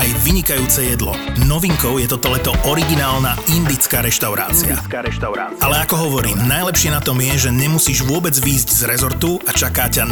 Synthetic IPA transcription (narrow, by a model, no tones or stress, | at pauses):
ajʋiɲikajuːt͡sɛjɛd̪lɔ̰nɔʋiŋkɔʊjɛt̪ɔt̪ɔlɛt̪ɔʔɔɾiɡinaːlnaind̪it͡skaːɾɛʃt̪aʊɾa̰ːt͡sia̰ | alɛakɔɦɔʋɔɾḭːmnajlɛpʃɪɛnat̪ɔmjɛʒɛɲɛmusiːʒʋʊɔbɛd͡zʋiːzɟzɾɛzɔɾt̪uat͡ʃakaːca